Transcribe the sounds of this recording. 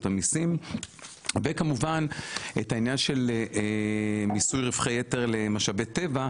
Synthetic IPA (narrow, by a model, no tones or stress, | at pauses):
t̪amisim | vekamuvanetainjanʃe̞l | misujʁifχejeteʁle̞maʃabete̞va